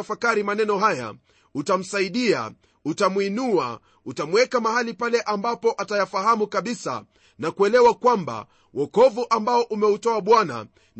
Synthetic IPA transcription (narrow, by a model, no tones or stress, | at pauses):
afakaɾimanɛnɔɦaja̰ | utam̩saiɗia̰ | utamwinua̰ | utamwɛkamaɦalipalɛʔambapɔʔatajafahamukaɓisa̰ | nakuɛlɛwakwamba̰ | wʔɔkɔvuʔambaɔʔumɛutɔaɓwana̰ | n